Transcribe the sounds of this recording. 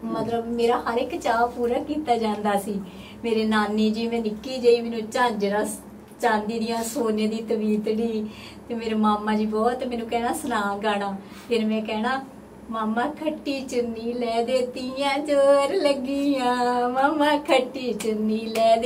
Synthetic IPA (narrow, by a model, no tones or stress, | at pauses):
mət̪ləbmeːɾaːhəɾɪkt͡ʃaːʋpuːɾaːkiːt̪aːd͡ʒãːnd̪aːsiː | meːɾeːnaːniːd͡ʒiːmɛ̃ːnɪkːiːd͡ʒəːiːmɛːnũːt͡ʃãːd͡ʒɾãː | t͡ʃãːnd̪iːd̪ɪjãːsoːnẽːd̪iːt̪əbiːt̪ɽiː | t̪eːmeːɾeːmaːmːãːd͡ʒiːbɔːt̪mɛ̃ːnũːkɛːnaːsənãːɡaːɽaː | pʰɪɾmɛ̃ːkɛːnaː | maːmãːkʰəʈːiːt͡ʃəniːlɛːd̪eːt̪ijãːd͡ʒoːɾləɡiːjãːmaːmãːkʰəʈːiːt͡ʃəniːlɛːd̪